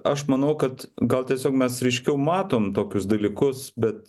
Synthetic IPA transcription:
ɐʃmɐnɐʊkɐt̪ɡɐlˠt̪ʲiɛsʲoːkmʲɛsɾʲɛɪʃʲkʲɛʊmɑːt̪oːmt̪oːkʲʊsd̪ɐlʲiːkʊsbʲɛt̪

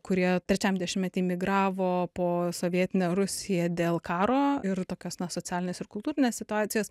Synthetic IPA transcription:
kʊɾʲiɛt̪ʲɾʲɛt͡ʃʲɛmd̪ʲɛʃʲɪmʲɛt̪ʲɪmʲɪɡɾɑːʋoːpoːsoːʋʲiɛt̪ʲɪnʲɛɾʊsʲɪjɛːd̪ʲeːlˠkɑːɾoːɪɾt̪oːkʲoːsnɐsoːt͡ssʲæːlʲɪneːsɪɾkʊlˠt̪uːɾʲɪnʲessʲɪt̪ʊɑːt̪ʲɪjoːs

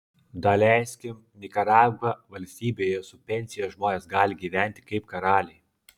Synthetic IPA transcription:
d̪ɐlʲɛˑɪsʲkʲɪm | nʲɪkɐɾɑːɡɐʋɐlʲsʲt̪ʲiːbʲejɛsʊpʲɛnʲsʲɪjɛʒmoːnʲeːsɡɑːlʲɪɡʲiːʋʲæˑnʲt̪ʲɪ̥kɐɪpkɐɾɑːlʲɛɪ

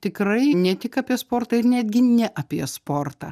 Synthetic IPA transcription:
t̪ʲɪkɾɐɪnʲɛt̪ʲɪkɐːpʲiɛspoːɾt̪ɐɪɾnʲæːd̪ʲɡʲɪnʲɛʔɐpʲiɛspoːrt̪ɑ̰ː

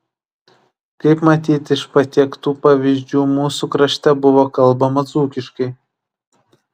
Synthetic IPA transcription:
kɐɪpmɐt̪ʲiːt̪ʲɪʃpɐt̪ʲikt̪uːpɑːʋʲiːzʲd͡ʒʲuːmuːsukɾɐʃʲt̪ʲɛbʊʋoːkɐlˠbɐmɐzuːkʲɪʃkɐɪ

